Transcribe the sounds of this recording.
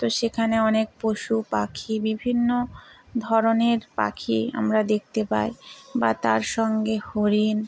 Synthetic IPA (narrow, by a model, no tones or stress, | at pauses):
t̪oʃekʰaneɔnek̚poʃupakʰibibʱinːo | d̪ʱɔɾoneɾpa̰kʰia̰mɾad̪ek̚t̪epa̰jbat̪aɾʃɔŋɡehoɾin